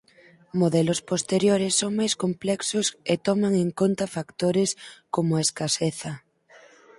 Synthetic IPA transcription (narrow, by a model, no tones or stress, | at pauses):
moðɛlospost̪eɾjoɾɪsːoŋmajskomplɛksʊset̪ɔmaŋeŋkont̪afakt̪oɾɪskomʊaeskaseθɐ